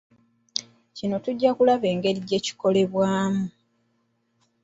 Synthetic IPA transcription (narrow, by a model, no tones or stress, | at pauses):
cino̞tuɟːakulaβe̞ːŋɡe̞ɾiɟe̞ːci̥ko̞le̞βwaːmu